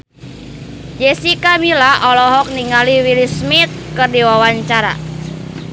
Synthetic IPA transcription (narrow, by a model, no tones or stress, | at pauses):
d͡ʒɛsikamilaʔɔlɔɦɔk̚niŋaliwilismit̪̚kɨrdiwawaɲt͡ʃaɾa̰